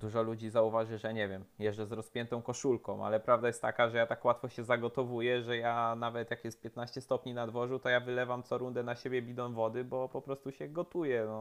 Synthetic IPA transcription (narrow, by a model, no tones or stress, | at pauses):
d̪uʐɔlud͡ʑizauvaʐɘʐɛɲɛvʲjɛmjɛʐd͡ʒɛzɾɔspʲjɛnt̪ɔ̃w̃kɔʂulkɔ̰̃w̃ʔa̰lɛpɾavd̪ajɛst̪ːakaʐɛjat̪akwat̪fɔɕɛzaɡɔt̪ɔvujɛʐɛjanavɛt̪jakjɛst̪̚pʲjɛt̪naɕt͡ɕɛst̪ɔpɲinad̪vɔʐut̪ɔjavɘlɛvamt̪sɔɾund̪ɛnaɕebʲjɛbʲid̪ɔ̃w̃vɔd̪ɘbɔpɔpɾɔst̪uɕɛɡɔt̪ujɛnɔ